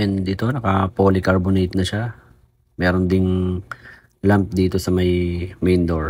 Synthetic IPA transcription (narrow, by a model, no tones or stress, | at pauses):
ɛnd̪it̪o̞nɐkɐpoːlɪkɐɹbonejt̪̚nɐʃa | mɛːɾond̪ɪŋ | lamp̚d̪iːt̪o̞sɐmɐjmɛjnd̪oɹ